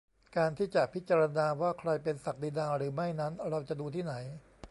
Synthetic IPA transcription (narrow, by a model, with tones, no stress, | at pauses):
kaː˧nt̪ʰiː˥˩t͡ɕa˨˩ʔpʰi˦˥t̪̚t͡ɕaː˧ɾa˧naː˧waː˥˩kʰɾa˧jpe˧nsa˨˩k̚diː˧daː˧ɾɯː˩˦ma˥˩jna˦˥nɾa˧wt͡ɕa˨˩duː˧t̪ʰiː˥˩na˩˦j